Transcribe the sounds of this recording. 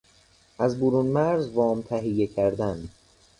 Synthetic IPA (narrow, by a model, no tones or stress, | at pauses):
ʔæzboɾuːnmæɾzvɒːmt̪ʰæɦijːecʰæɾd̪æn